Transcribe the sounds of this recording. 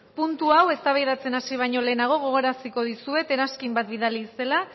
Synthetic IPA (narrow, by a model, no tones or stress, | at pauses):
punt̪uawe̞st̪aβajðat͡se̞nasiβ̞ajɲo̞le̞ːnaɣ̞o̞ɣ̞o̞ɣ̞o̞ɾasiko̞ð̞isue̞t̪e̞ɾaskimbat̪biðalise̞la